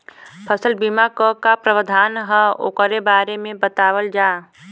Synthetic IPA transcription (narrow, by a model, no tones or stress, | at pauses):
pʰəsəlbiːmakəkapɾəʋəd̪ʱaːnɦəo̰ːkəɾebaːɾemẽbət̪aːwəld͡ʒaː